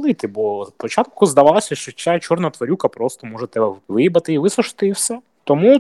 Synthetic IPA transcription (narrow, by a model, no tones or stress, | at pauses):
lˠit̪ɪbɔspɔt͡ʃat̪̚kʊzd̪ɐʋɑlˠɐsʲɐʃt͡ʃɔt͡ʃʲat͡ʃɔrnɐt̪ʋɐɾʲukɐpɾɔst̪ɔmɔʒɛt̪ɛbɛʋɪjbɐt̪ɪiʋɪsʊʃɪ̥t̪ɪiwsʲɛ | t̪ɔmu